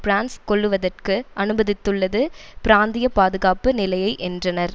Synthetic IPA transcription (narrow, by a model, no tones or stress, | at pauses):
pɾaːnskɔɭːɯʋɐðɐrkɯʔɐnɯbɐðɪt̪ːɯɭːɐðɯpɪɾaːnd̪ɪjɐpaːðɯɣaːpɯnɪlɐjɐɪʔɛndrɐnɐɾ